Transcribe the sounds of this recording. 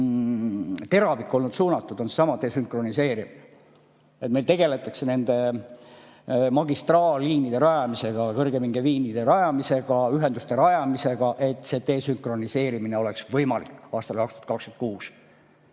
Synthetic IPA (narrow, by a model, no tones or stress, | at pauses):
t̪e̞ɾɑvikːˑo̞lnud̪suːnɑt̪ːˑud̪̥o̞nsesɑmɑt̪e̞ːsyŋkro̞nise̞ːɾimine | et̪me̞lt̪e̞ɡe̞le̞t̪ːˑɑkse̞ne̞nd̪̥e̞ | mɑɡist̪rɑːllːiːnid̪̥e̞ɾɑjɑmise̞ɡ̥ɑkɤrɡ̥emiŋɡeviːnid̪̥e̞ɾɑjɑmise̞ɡ̥ɑyɦe̞nd̪ust̪e̞ɾɑjɑmise̞ɡ̥ɑʔe̞t̪ːˑse̞ːt̪e̞ːsyŋkro̞nise̞ːɾimineo̞le̞ksvɤjmɑlikːɑːst̪ɑlkɑkst̪u̥ɑt̪kɑksk̪ynɑt̪̚kuːs